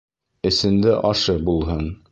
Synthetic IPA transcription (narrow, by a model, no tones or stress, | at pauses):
ɘ̆sɘ̆nd̪ɘʔɒʃɤbulˠɦɤn